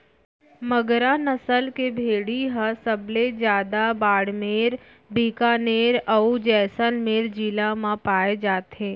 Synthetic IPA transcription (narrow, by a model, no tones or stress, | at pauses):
məɡɾanəsəlkebʱeːɽiɦəsəbled͡ʒjaːd̪abaːɽmeːɾ | biːkaneːɾəud͡ʒɛːsənmeːɾd͡ʒiːlamãpaːed͡ʒaːt̪ɦẽː